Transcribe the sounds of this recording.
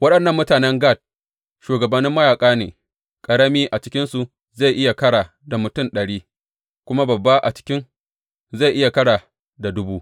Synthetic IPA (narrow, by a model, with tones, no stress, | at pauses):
wɐ˦ɗɐ˨nːɐ˦mːʊ˦taː˨nɛ˦ŋɡa˦˨t̚ | ʃuː˨ɡɐ˨bɐ˨nːɪ˦mːɐ˦jaː˨kʼaː˦nḛː˨ | kʼɐ˨ɽɐ˦miː˦ʔa˨t͡ʃɪ˦kʲɪ˦nsu˨ | za˦˨jʔɪ˦ja˨kɐ˦ɽaː˨ | da˨mʊ˨tʊ˦˨nɗɐ˨ɽiː˦ | kʷʊ˦ma˦bɐ˨bːa˦ʔa̰˨t͡ʃɪ̥˦kʲɪ˦ŋ | za˦˨jʔɪ˦ja˨kɐ˦ɽaː˨ | da˨dʊ˦buː˦ʔ